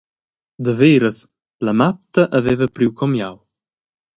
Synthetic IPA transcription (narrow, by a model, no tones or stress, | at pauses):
d̪əveːɾəs | lɐmap̚t̪ɐʔɐvɛvəpɾiwkʰɔmjaw